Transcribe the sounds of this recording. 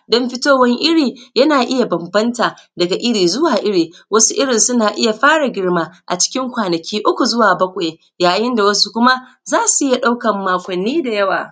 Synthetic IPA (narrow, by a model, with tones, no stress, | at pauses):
dɔ˦mɸɪ˦toː˦wɐ˦ŋʔɪ˦ɽiː˨jɐ˦naː˨ʔɪ˦ja˨bɐ˨mbɐ˦ntaː˨dɐ˨ɡa˨ʔɪ˦ɽiː˨zʊ˦waː˨ʔɪ˦ɽiː˨wʔɐ˦su˦ʔɪ˦ɽɪ˨nsʊ˦naː˨ʔɪ˦ja˨ɸaː˦ɽa˨ɡʲɪ˦ɽmaː˦ʔa̰˨t͡ʃɪ̥˦kʲɪ˦ŋkʷaː˨nɐ˨kʲiː˦ʔʊ˦kʷu˨zʊ˦waː˨bɐ˦kʷʼa˨ | jaː˨jɪ˦nda˨wɐ˦su˦kʷʊ˦ma˦ | zaː˦su˨ʔɪ˦ja˨ɗa˦wkɐ˨mːaː˨kʷɐ˨nːiː˦da˨jɐ˦wa̰ː˨